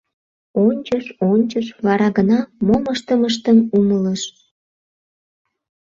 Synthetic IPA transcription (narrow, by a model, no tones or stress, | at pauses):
onʲt͡ɕəʃonʲt͡ɕəʃβɑɾɑɣənɑmoməʃt̪əməʃ̬t̪ənumələʃ